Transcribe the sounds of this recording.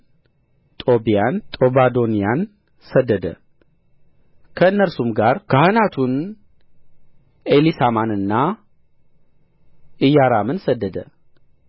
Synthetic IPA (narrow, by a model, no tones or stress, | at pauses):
t̪ʼo̞bijant̪ʼo̞bad̪o̞nijan | səd̪ːəd̪ə̰ | kʰəɨnːəɾsumɡaɾkʰəhanat̪ʰun | elisamanɨnːa | ɨjːaɾamɨnsəd̪ːəd̪ə